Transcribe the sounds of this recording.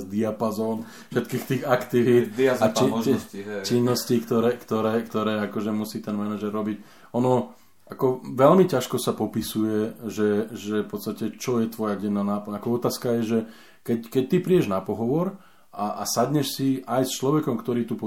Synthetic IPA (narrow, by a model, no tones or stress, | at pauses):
zd̪iapazɔːn | fʃɛt̪kiːxt̪iːɣakt̪iʋiai | t͡ʃinːɔscikt̪ɔɾɛːkt̪ɔɾɛːkt̪ɔɾɛːakɔʒɛmusiːt̪ɛnmɛnaʒɛɾːɔbic | ɔnɔ | akɔʋɛlmicaʃkɔsapɔpisujɛʒɛʒɛfpɔt̪t͡sst̪acɛt͡ʃɔjɛt̪ʋɔjaɟɛnːaːnaːpɔɲakɔɔt̪aːskajɛʒɛ | kɛckɛc̚t̪ipɾiːɛʒnapɔɦɔʋɔɾ | ʔaasadɲɛʃsiajst͡ʃlɔʋɛkɔmkt̪ɔɾiːt̪upɔ